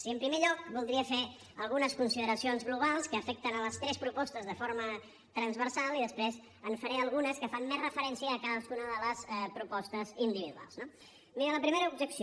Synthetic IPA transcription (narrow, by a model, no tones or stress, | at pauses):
siəmpɾimeʎɔk̚bulˠd̪ɾiəfe | əlˠɣunəskunsiðəɾəsionzɣluβalˠskəːfɛk̚t̪ənələst̪ɾɛspɾupɔst̪əzðəfoɾmə | t̪ɾənzβəɾsalˠiðəspɾez | ənfəɾɛəlˠɣunəskəfanmːezrəfəɾɛnsiəːkaðəskunəðələsɛpɾupɔst̪əzind̪iβ̞iðua̰lˠzno | miɾələpɾimeɾəubʒəksi